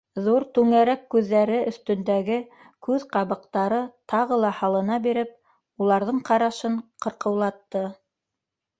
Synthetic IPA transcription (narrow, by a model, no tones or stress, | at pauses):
ðuɾt̪ʉŋæɾækkːʉðːæɾɘʔɵ̆θt̪ɵ̆nd̪æɡɘ | kʉðqɑβɤ̆qt̪ɑɾɤt̪ɑʁɤlˠɑhɑlˠɤ̆nɑbiɾɘp̚ | ulˠɑɾðɤɴqɑɾɑʃɤɴqɤ̆ɾqɤ̆wlˠɑt̪ːɤ